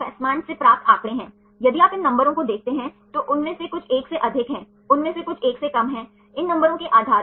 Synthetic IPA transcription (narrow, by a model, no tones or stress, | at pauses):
ɛːsmaːɳsepɾaːp̚t̪aːkɽ̃ẽɦɛ̃ː | jɐd̪iaːpɪnːɐ̃mbəɾõkod̪eːk̚ʰt̪eɦɛ̃t̪oʔʊnmẽsekʊt͡ʃʰeːkseʔɐd̪ʱɪkɦɛ̃ː | ʊnmẽsekʊt͡ʃʰeːksekɐmɦɛ̃ː | ɪnːɐ̃mbəɾõkeʔaːd̪ʱaːɾ